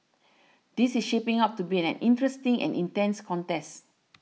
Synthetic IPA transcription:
d̥isisʃepĩŋap̚tubiɛnɛ̰̃nʔĩntɹɛstĩŋɛ̰̃nḭ̃ntɛ̃nskʰɔ̃ntɛst

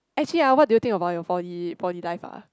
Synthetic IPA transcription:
ɛk̚t͡ʃəliawɔt̚dujut̪ĩŋkəbaʊtjɔfɔtifɔtilaɪfa̰

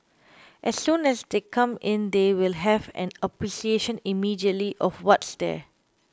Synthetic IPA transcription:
ʔɛsːũnɛsdekʰãmɪ̃nd̪ewɪlɦɛvɛ̰̃nəpɹisieʃə̃nimidiətliʔɔfwɔtsd̪ɛ̰

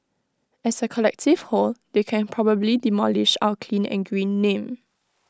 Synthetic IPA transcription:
ɛsəkʰɔlɛk̚tɪv̥holdekʰɛ̃npʰɹɔbəblidimɔlɪʃa̰wəkʰlĩnɛ̰̃nɡɹĩnːẽm

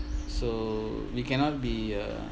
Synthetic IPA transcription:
so | wikɛ̃nɔt̚bia̰

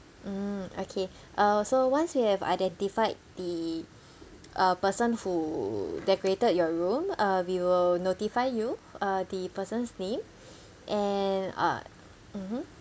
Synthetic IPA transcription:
okʰe | ʔasowãnswihɛva̰jdɛ̃ntifaɪd̚d̪ə | ʔʌpəsə̃nhudɛkoɹetəd̚jɔɹũmʌwiwɪlnotifaɪjuʌd̪əpəsə̃nsnẽm | ʔɛnʌ̰ | m̩m̥m̩

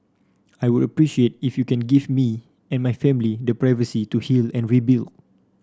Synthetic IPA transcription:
ajwudəpɹiʃiet̚ifjukɛ̃nɡifmi | ɛ̃nmajfɛ̃milidəpɹajvəsituhilɛ̃nɹibild

